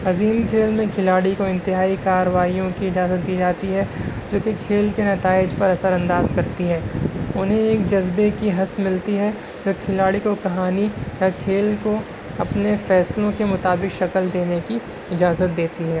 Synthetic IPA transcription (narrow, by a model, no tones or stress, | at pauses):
ɐziːmkʰeːlmẽkʰɪlaːɽikoɪ̃nt̪ɪɦaːikaːɾəʋaːijõkiɪd͡ʒaːzət̪̚d̪iːd͡ʒaːt̪iɦɛd͡ʒoːkekʰeːlkenɐt̪aːɪd͡ʒpɐɾɐsəɾɐ̃nd̪aːzkɐɾt̪iɦɛːʊnɦẽeːkd͡ʒɐzbekiɦɐsmɪlt̪iɦɛ | d͡ʒoːkʰɪlaːɽikokɐɦaːnijakʰeːlko | ɐpnefɛːslõkemʊt̪aːbɪkʃɐkəld̪eːneki | ɪd͡ʒaːzət̪̚d̪eːt̪iɦɛː